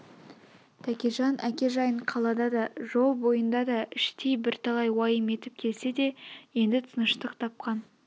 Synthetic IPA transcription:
t̪ʰækʲiʒɑnʔækʲe̞ʒɑjəɴqʰɑlˠɑd̪ɑd̪ɑʒo̞lˠbo̞jənd̪ɑd̪ɑɪʃt̪ʰejbɪɾt̪ʰɑlˠɑjwɑjəme̞t̪ɪp̚kʲʰe̞lse̞d̪e̞je̞nd̪ɪt̪ʰənəʃt̪əqt̪ʰɑp̚qɑn

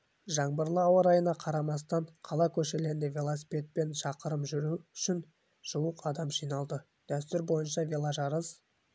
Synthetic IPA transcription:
ʒɑɴbəɾlˠəɑwəɾɑjənɑqʰɑɾɑmɑst̪ɑɴqʰɑlˠɑkʲʰɵʃe̞le̞ɾɪnd̪evʲe̞lˠosi̥pʲe̞t̪̚pe̞nʃɑqəɾəmʒʏɾuʏʃɪn | ʒ̥uwəqɑd̪ɑmʒijnɑlˠd̪ə | d̪̥æst̪ʏɾbo̞jənʃɑvʲe̞lˠaʒɑɾəz

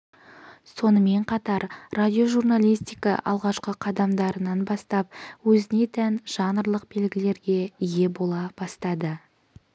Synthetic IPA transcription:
so̞nəme̞ɴqʰɑt̪ɑɾradʲio̞ʒurnalʲijst̪ʲijkɑ̰ʔɑ̰lˠʁɑʃqəqʰɑd̪ɑmd̪ɑɾənɑnbɑst̪ɑp̚wɵzɪne̞t̪ʰænʒ̥ɑnəɾlˠəq̚be̞lɡʲɪle̞ɾɡʲe̞ije̞bo̞lˠɑb̥ɑst̪ɑd̪ə

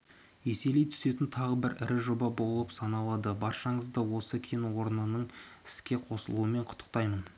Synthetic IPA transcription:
e̞se̞lejt̪ʰʏ̥se̞t̪ɪnt̪ʰɑʁəbɪɾɪ̰ɾɪʒo̞bɑbo̞lˠəpsɑnɑlˠɑd̪əbɑɾʃɑɴəzd̪ɑwo̞səkʲʰenwo̞ɾnənəɴɪ̥skʲe̞qʰo̞səlˠuəme̞ɴqʰʊ̥t̪ʰːə̥q̚t̪ɑjmən

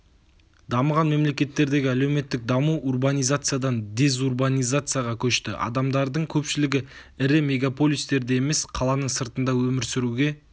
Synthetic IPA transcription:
d̪̥ɑməʁɑnme̞mle̞kʲe̞t̪ːe̞ɾd̪e̞ɡʲɪælewme̞t̪ːɪk̚d̪ɑmuurbanʲijzat̪sɨjad̪ɑnd̪ʲe̞zurbanʲijzat̪sɨjaʁɑkʲʰɵʃt̪ɪ̰ʔɑ̰d̪ɑmd̪ɑɾd̪əɴkʲʰɵpʃɪlɪɡʲɪ | ɪɾɪme̞ɡapo̞lʲijst̪e̞ɾd̪ejeme̞sqʰɑlˠɑnəɴsəɾt̪ənd̪ɑwɵmɪɾsɪɾuɡʲe̞

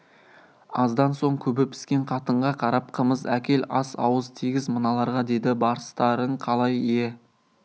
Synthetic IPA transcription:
ɑzd̪ɑnso̞ɴkʲʰɵbɪpɪ̥skʲe̞ɴqʰɑt̪əɴʁɑqʰɑɾɑp̚qʰəməzækʲʰe̞lɑsɑ̰wəzt̪ʰiɡʲɪzmənɑlˠɑɾʁɑd̪e̞d̪ɪbɑɾəst̪ɑɾəɴqʰɑlˠɑjije̞

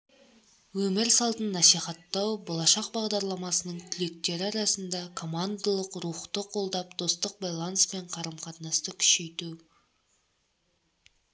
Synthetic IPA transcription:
wɵmɪɾsɑlˠt̪ənːɑsijχɑt̪ːɑwbolˠɑʃɑq̚bɑʁd̪ɑɾlˠɑmɑsənəɴt̪ʲʰʏle̞k̚t̪e̞ɾɪɑɾɑsənd̪ɑkʰo̞mand̪alˠəqɾuχt̪əqʰo̞lˠd̪ɑpd̪̥o̞st̪əq̚bajlˠɑnspe̞ɴqʰɑɾəmqʰɑt̪nɑst̪əkʲʰʏ̥ʃe̞jt̪u

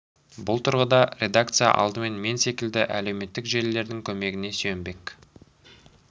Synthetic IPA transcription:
bʊlˠt̪ʰʊɾʁəd̪ɑɾʲʔe̞d̪ak̚t̪sɨja̰ʔɑ̰lˠd̪əme̞nme̞nse̞kʲɪld̪ɪʔæle̞wme̞t̪ːɪkʒe̞lːe̞ɾd̪ɪŋkʲʰɵme̞ɡʲɪne̞symbe̞k

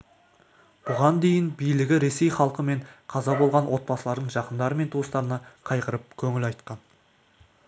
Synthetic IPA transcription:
b̥ʊʁɑnd̪e̞jɪnbijlɪɡʲɪɾe̞se̞jχɑlˠqəme̞ɴqʰɑzɑbolˠʁɑnwʔo̞t̪̚bɑsəlˠɑɾd̪əɴʒɑqənd̪ɑɾəme̞nt̪ʰuəst̪ɑɾənɑqʰɑjqəɾəp̚kʲʰɵŋʲɪlɑjt̪qɑn

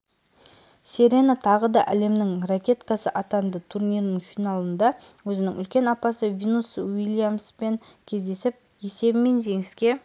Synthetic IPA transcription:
seɾe̞nat̪ʰɑʁəd̪ɑʔæle̞mnɪŋrakʲe̞t̪kɑsəʔɑt̪ɑnd̪ət̪ʰurnʲijɾnəŋfinalˠənd̪ɑ | wɵzɪnɪŋʏ̰lkʲe̞nɑpɑsəvʲinuswilʲˠjamspe̞ŋkʲʰe̞zd̪e̞sɪp̚ | je̞se̞bɪme̞nʒe̞ŋɪskʲe̞

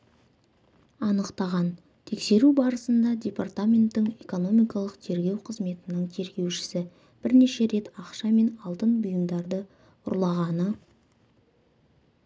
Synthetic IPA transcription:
ɑnəqt̪ɑʁɑn | t̪ʰe̞kse̞ɾubɑɾəsənd̪ɑdʲe̞part̪amʲe̞nt̪ːɪŋe̞ko̞no̞mijkɑlˠəqt̪ʰe̞ɾɡʲe̞wqʰəzme̞t̪ɪnəɴt̪ʰe̞ɾɡʲe̞wʃɪ̥sɪ | b̥ɪɾne̞ʃe̞ɾe̞t̪ɑqʃɑme̞nɑlˠt̪ənbʊjəmd̪ɑɾd̪ə | ʊ̰ɾlˠɑʁɑnə

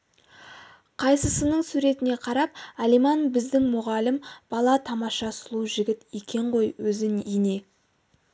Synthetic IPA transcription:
qʰɑjsəsənəɴsuɾe̞t̪ɪne̞qʰɑɾɑp̚ælijmɑnbɪzd̪ɪŋmʊʁɑlɪmb̥ɑlˠɑt̪ʰɑmɑʃɑsʊlˠuʒɪɡʲɪt̪e̞kʲʰe̞ɴʁo̞jwɵzɪnijne̞

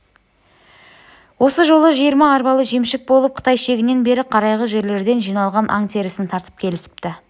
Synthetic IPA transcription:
wo̞səʒo̞lˠəʒijəɾmɑːɾbɑlˠəʒe̞mʃɪk̚bo̞lˠəp̚qʰə̥t̪ɑjʃe̞ɡʲɪne̞nbe̞ɾɪqʰɑɾɑjʁəʒe̞ɾle̞ɾd̪e̞nʒijnɑlˠʁɑnʔɑ̰ŋt̪ʰe̞ɾɪsɪnt̪ʰɑɾt̪ə̥p̚kʲʰe̞lɪsɪ̥p̚t̪ɪ

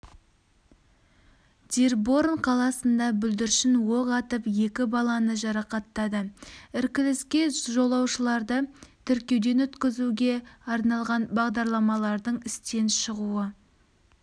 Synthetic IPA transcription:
d̪̥ʲeɾbo̞ɾnqʰɑlˠɑsənd̪ɑbʏld̪ɪɾʃɪnwo̞ʁɑt̪əpje̞kʲɪbɑlˠɑnəʒɑɾɑqɑt̪ːɑd̪əɪɾkʲɪlɪskʲe̞ʒo̞lˠɑwʃəlˠɑɾd̪ət̪ʰʏɾkʲe̞wd̪e̞nɵt̪kʲɪzuɡʲe̞ɑɾnɑlˠʁɑnbɑʁd̪ɑɾlˠɑmɑlˠɑɾd̪əɴɪst̪e̞nʃəʁuə

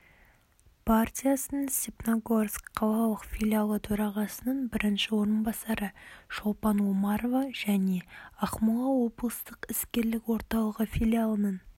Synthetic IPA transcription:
pʰart̪ʲijasənəsʲepnaɡorskqʰːɑw̪ˠɑlˠəqfʲilʲialˠət̪ʰɵɾɑʁɑsənəɴbɪɾɪnʃɪwo̞ɾənbɑsɑɾəʃo̞lˠpɑnwomɑɾovɑʒæne̞ɑqmulˠɑwo̞bəlˠəst̪əqɪskʲe̞ɾlɪkwo̞ɾt̪ɑlˠəʁəfʲilʲialˠənəɴ

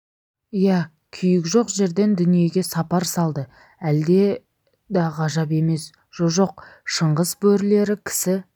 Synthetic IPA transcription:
ijæ | kʲʰʏjɪkʒo̞qʒe̞ɾd̪e̞nd̪ʏnije̞ɡʲe̞sɑpɑɾsɑlˠd̪ə | æld̪e̞ | d̪ɑʁɑʒɑp̬e̞me̞s | ʒ̥oʒo̞q̚ʃəɴʁəzbɵɾle̞ɾɪkʲʰɪ̥sɪ

